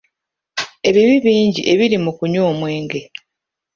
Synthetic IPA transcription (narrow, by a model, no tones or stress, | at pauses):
e̞βiβiβiːɲɟḭʔe̞βiɾimukuɲoːmwe̞ːŋɡe